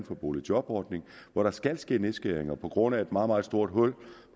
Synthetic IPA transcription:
nfɒb̥o̝̰ːli̥ɒ̽b̥ɒ̰ːd̥ne̝ŋʋɒɾɑ̈sɡ̥ælsɡ̥e̝̰ːne̝sɡ̥eɐ̰eŋɐpʰɒ̽ɡ̥ʁɔ̽n̰æe̝d̥mɑ̈ːð̩ˠmɑ̈ːð̩ˠsd̥o̝ɐ̰d̥ɦɔ̽l̰

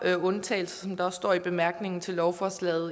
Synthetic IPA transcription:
ɔ̽nt͡sʰɛ̰ːl̩sɐsɒ̽md̥ɑ̈ɒ̽sːd̥ɒ̰ːib̥e̝mæɐɡ̥ne̝ŋn̩t͡sʰe̝lːɒʊfɒslɛ̰ːð̩ˠ

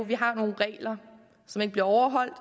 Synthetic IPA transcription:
ʋiɦɑ̈no̝ːn̩ʁɛ̰ːlɐ | sɒ̽me̝ɡ̥əb̥liɐɒʊɐɦɒ̽l̰d̥

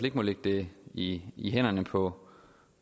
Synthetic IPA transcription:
le̝ɡ̥̚mɒleɡ̥̚d̥e̝iiɦen̰ɐnəpʰɒ̽

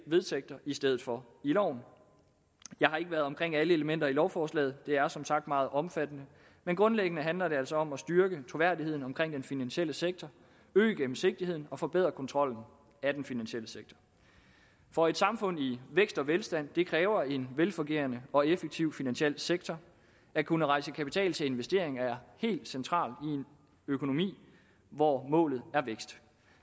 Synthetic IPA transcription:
ʋe̝ðˠseɡ̥̚t͡sʰɐʔisd̥eð̞ˠð̩ˠfɒ̽ | ilɒʊ̰n | jɑ̈ɪɦɑ̈e̝ɡ̥əʋæɐð̩ˠɒ̽mkʰʁeŋ̰æləeləmen̰d̥ɐilɒʊfɒːslɛ̰ːð̩ˠd̥e̝æɐsɒ̽msɑ̈ɡ̥̚d̥mɑ̈ːð̞̩ˠʔɒ̽mfæd̥ənə | menɡ̥ʁɔ̽nleɡ̥ənəɦænlɐɾe̝ælsɒ̽ɒ̽msd̥ɶyɐɡ̥ət͡sʰʁo̝ʋæɐ̰die̝ð̰ˠn̩ɒ̽mkʰʁeŋ̰d̥enfinænɕiel̰əseɡ̥̚t͡sʰɒ | øːɡ̥em̩se̝ɡ̥̚d̥ihe̝ð̞̰ˠn̩ɒ̽fɒ̽b̥e̝ð̞̰ˠʁɐkʰɒ̽nt͡sʰʁɒ̽l̰n̩ | æd̥enfinænɕel̰əseɡ̥̚t͡sʰɒ | fɒ̽e̝d̥sɑ̈mfɔ̽n̰iʋeɡ̥sd̥ɒ̽ʋelsd̥æn̰d̥e̝kʰʁɛːʊɐe̝nʋelfɔ̽ŋɡ̥e̝̰ɐnəɒ̽efəɡ̥̚t͡sʰiʊ̰finænɕiel̰seɡ̥̚t͡sʰɒ | ækʰunəʁɑ̈ɪsəkʰæpi̥t͡sʰɛ̰ːlt͡sʰe̝e̝nʋesd̥e̝ɐ̰e̝ŋæɐhe̝̰ːld̥sent͡sʰʁɑ̰̈ːlie̝n | økʰo̝no̝mḭː | ʋɒmɔ̰̽ːlð̞̩ˠæɐʋeɡ̥sd̥

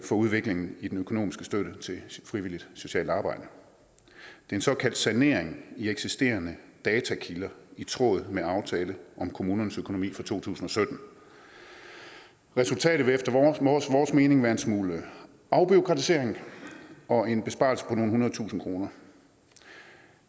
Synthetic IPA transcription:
fɒ̽uð̞ˠʋe̝ɡ̥le̝ŋn̩id̥enøkʰo̝no̝̰ːmisɡ̥əsd̥øɾət͡sʰe̝fʁiʋil̰id̥so̝ɕɛ̰ːld̥ɑ̈ːb̥ɑ̈ɪd̥ə | d̥e̝ensɒ̽kʰæl̰d̥sæne̝̰ɐ̰eŋieɡ̥sisd̥e̝̰ːɐnəd̥ɛːt͡sʰækʰilɐit͡sʰʁɔ̰̽ːð̞̩ˠmeɑ̈ʊt͡sʰɛːləʔɒ̽mkʰo̝muːnɐnəsøkʰo̝no̝mḭːfʁɑ̈t͡sʰo̝̰ːt͡sʰṵːsn̩ɒ̽sød̥n̩ | ʁɛsult͡sʰɛ̰ːɾ̥ð̩ˠʋe̝efd̥ɐsʋɒːsme̝ːne̝ŋʋæːɐe̝nsmuːlə | ʔɑ̈ʊb̥io̝kʰʁɑ̈t͡sʰise̝̰ɐ̰e̝ŋ | ɒ̽e̝nb̥e̝sb̥ɑ̰̈ːlsə̥pʰɒno̝ːn̩unɐð̩ˠt͡sʰṵːsn̩kʰʁo̝ːnɐ

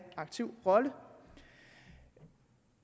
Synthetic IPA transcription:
ɑ̈ɡ̥̚t͡sʰiʊ̰ʁɒ̽lə

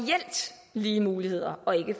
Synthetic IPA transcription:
el̰d̥ | liːəmuːlihe̝ð̞̰ˠɐɒ̽e̝ɡ̥əf

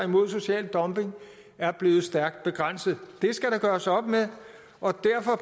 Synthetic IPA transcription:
imo̝ð̰ˠs̬o̝ɕɛ̰ːld̥ɒ̽mb̥e̝ŋ | æɐb̥le̝ːð̩ˠsd̥æɐɡ̥̚d̥̚b̥e̝ɡ̥ʁan̰səð̩ˠd̥e̝sɡ̥æɾɑ̈ɡ̥ɶːɐsɒ̽b̥meðˠ | ʔɒ̽d̥æɐ̰fɒ̽

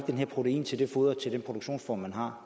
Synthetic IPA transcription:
d̥enɦeɐ̰pʰʁo̝t͡sʰeḭːnt͡sʰe̝ld̥e̝foːðˠɐt͡sʰe̝ldenpʰʁodoɡ̥ɕo̝̰ːnsfɒ̰ːmænɦɑ̈

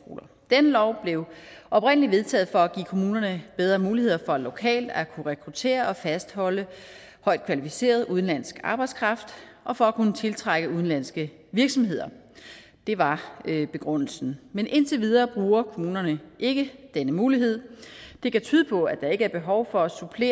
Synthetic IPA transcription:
ɡ̥o̰ːlɐ | d̥enəlɒʊ̰b̥le̝ʊʔɒ̽bpʁen̰əliʋe̝ð̞ˠt͡sʰɛ̰ːð̞̩ˠfɒ̽æɡ̥ḭːkʰo̝muːnɐnəb̥eð̞ˠʁɐːmuːlihe̝ð̰ˠɐfɒ̽ælo̝kʰɛ̰ːld̥ækʰuʁɛkʰʁut͡sʰe̝̰ːɐʔɒ̽fæsd̥hɒ̽lə | hɒ̽ɪ̰d̥̚kʰʋælifise̝̰ːɐðˠuð̞ˠn̩læn̰sɡ̥ɑ̈ːb̥ɑäɪd̥skʰʁɑ̈fd̥ | ʔɒ̽fɒ̽ækʰunət͡sʰe̝lt͡sʰʁaɡ̥əuðˠn̩læn̰sɡ̥ə | ʋiɐɡ̥sɒ̽mɦe̝ð̞̰ˠɐ | d̥e̝ʋɑ̈øb̥e̝ɡ̥ʁɔn̰l̩sn̩menʔe̝nt͡sʰe̝ʋið̞ˠɐːb̥ʁuːɐkʰo̝muːnɐnəʔe̝ɡ̥əd̥enəmuːliɦe̝ð̞̰ˠd̥e̝kæt͡sʰyːð̞ˠəpʰɒ̽æd̥ɑ̈e̝ɡ̥əæɐb̥e̝ɦɒʊfɒ̽æsupʰle̝̰ː

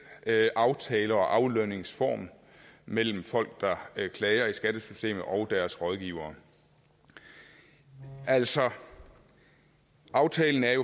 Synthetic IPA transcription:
ʔɑ̈ʊt͡sʰɛːləɒ̽ʔɑ̈ʊløne̝ŋsfɒ̰ːm | mel̰m̩fɒ̽l̰ɡ̥̚d̥ɑ̈kʰlɛɪɐisɡ̥æd̥əsysd̥e̝̰ːmð̩ˠʔɒ̽ʊd̥æɐsʁɒð̞ˠɡ̥iːʊɐː | æl̰sɒ̽ | ʔɑ̈ʊt͡sʰɛːln̩æɐjo̝

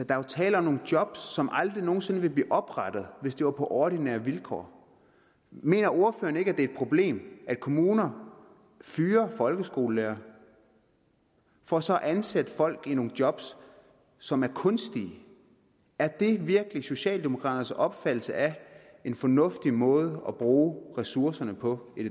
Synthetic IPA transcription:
d̥ɑ̈ot͡sʰɛ̰ːləɒ̽mno̝ːŋn̩d̥jɒ̽b̥sːɒ̽mʔɑ̈ld̥ʁino̝ːn̩se̝n̩ʋe̝b̥liːʔɒ̽b̥ʁɑd̥ð̞̩ˠʋe̝sd̥e̝ʋɑ̈pʰɒ̽ʔɒːɾ̥inæ̰ːɐʋilkʰɒ̰ː | me̝̰ːnɐo̝ɐfø̰ːɐnəe̝ɡ̥æd̥e̝æed̥̚pʰʁo̝b̥le̝̰ːmʔæd̥̚kʰo̝muːnɐ | fyːɐfɒ̽lɡ̥əsɡ̥o̝̰ːləlḛːɐ | fɒ̽sɒ̽ʔænsæd̥əfɒ̽l̰ɡ̥ino̝ːŋ̩d̥jɒ̽b̥sː | ɒ̽mæɐkʰɔ̽nsd̥i | æɐd̥e̝ʋiɐɡ̥əliso̝ɕɛ̰ːld̥e̝mo̝kʰʁɑ̰ːd̥ɐsɒ̽b̥fæd̥l̩səʔæ | e̝nfɒ̽nɔ̽fd̥imɔ̽ːð̞ˠəɒb̥ʁuːʁɛsuɐsɐnəpʰɒ̽e̝̥

